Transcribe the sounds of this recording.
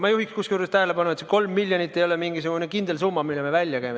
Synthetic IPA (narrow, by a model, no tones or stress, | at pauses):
mɑjuhikskuskuɾst̪æɦelepɑnːuet̪seko̞lmːilʲːjonit̪ːˑejolɛmiŋɡisuɡ̥unekind̪̥e̞lsuːmːɑmilːemevælʲjɑkæjme